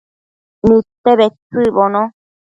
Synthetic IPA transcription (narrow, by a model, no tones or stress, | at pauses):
nĩt̪eβet͡sɨbonõ